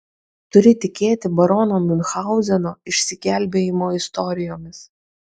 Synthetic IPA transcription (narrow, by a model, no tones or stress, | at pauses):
t̪ʊɾʲɪt̪ʲɪkʲeːt̪ʲɪbɐɾɔnoːmʲɪnxɑˑʊzʲɛnoːɪʃʲsʲɪkʲæˑlʲbʲeːjɪmoːɪst̪ɔɾʲɪjoːmʲɪs